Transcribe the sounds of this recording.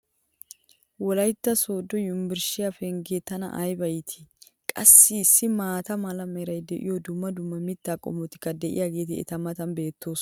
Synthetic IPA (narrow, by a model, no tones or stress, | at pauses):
wɔlɐjt̪ːɐsoːd̪ɔjʊmbɪɾʃɪjafɛŋɡeːt̪ːɐnɐ̰ʔɐjbɐjt̪ʰɪ̥ | kʼɐsːɪːsːɪmaːt̪ɐmɐlɐmɛɾɐjd̪ɛʔɪ̰jɔd̪ʊmːɐd̪ʊmːɐmɪt̪ːaːkʼɔ̰mɔt̪ɪ̥kːɐd̪ɛʔɪ̰jaːɡe̞ːt̪ɪɛ̰t̪ɐmɐt̪ɐnbe̞ːt̪ːo̞ːs